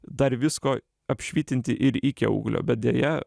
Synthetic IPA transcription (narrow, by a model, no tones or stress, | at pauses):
d̪ɑɾʋʲɪsko | ɑpʃʲʋʲiːt̪ʲɪnʲt̪ʲɪʔɪɾɪkʲɪ̰ṵːɡlʲo̰ːbʲɛt̪̚d̪ʲejɛ